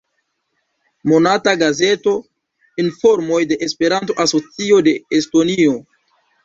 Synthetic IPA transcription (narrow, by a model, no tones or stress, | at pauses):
mo̞nataɡaze̞to̞ | info̞ɾmo̞jde̞ʔespe̞ɾanto̞ʔaso̞t͡sio̞de̞esto̞nio̞